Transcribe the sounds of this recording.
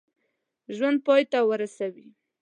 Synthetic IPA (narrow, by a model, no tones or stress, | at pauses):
ʒwand̪̚pɑjt̪awəɾasawi